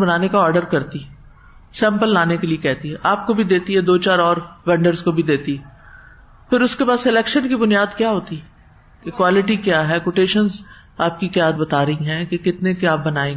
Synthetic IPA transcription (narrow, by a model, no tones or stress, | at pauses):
bɐnaːnekaɔːɾɖəɾkɐɾt̪iɛ | sɛ̃ːmpəlːaːnekeliekɛɦt̪iɦɛʔaːp̚kobʱid̪eːt̪iɦɛd̪oːt͡ʃaːɾɔːɾʋɛ̃ːɳɖəɾzkobʱid̪eːt̪iɦɛ | pʰɪɾʊskepaːsɪlɛːkʃənkibʊnijaːd̪kjaːɦoːt̪i | ekwaːlɪʈikjaːɦɛkoːʈeːʃənz | aːp̚kikjaːd̪bɐt̪aːɾɐɦĩɦɛ̃ːkekɪt̪nekjaːp̚bɐnaːẽːɡ